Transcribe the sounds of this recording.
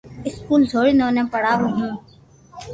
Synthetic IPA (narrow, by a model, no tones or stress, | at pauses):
ɪskuːlzʱoːɽinõːnẽːpəɽaːɾũɦũː